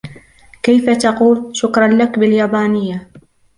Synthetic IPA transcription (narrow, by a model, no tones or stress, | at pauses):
kajfat̪ɑquːlʃʊkɾˤɑnlakbɪljaːbaːnɪjːa